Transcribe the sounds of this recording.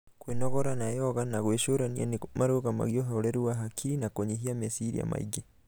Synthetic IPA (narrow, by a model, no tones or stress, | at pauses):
kweːnɔɣɔɾanajɔɣanaɣweʃoɾania̰nemaɾoɣama̰ɣiɔɦɔɾɛɾuaɦakʰinakoɲiɦiamesiɾḭa̰ma̰ḭɡe